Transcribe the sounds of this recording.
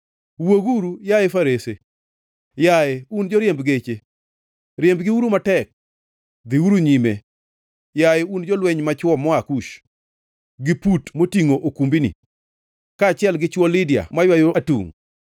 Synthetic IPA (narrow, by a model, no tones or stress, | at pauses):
woɡuɾujajefaɾese | jaeund͡ʒɔɾjembɡet͡ʃe | ɾjembɡɪuɾumatɛk̚ | d̪ɪuɾuɲime | jajund͡ʒɔlwɛɲmat͡ʃwɔmɔakuʃ | ɡɪputmotiŋoʔokumbinḭ | kat͡ʃɪɛlɡɪt͡ʃwɔlɪdja̰majwajoatṵŋ